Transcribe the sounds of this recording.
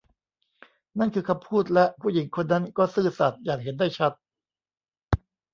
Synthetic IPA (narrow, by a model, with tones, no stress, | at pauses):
na˥˩nkʰɯː˧kʰa˧mpʰuː˥˩t̪̚lɛ˦˥ʔpʰuː˥˩ji˩˦ŋkʰo˧nːa˦˥nkɔː˥˩sɯː˥˩sa˨˩t̪̚jaː˨˩k̚ɦe˩˦nda˥˩jt͡ɕʰa˦˥t̪̚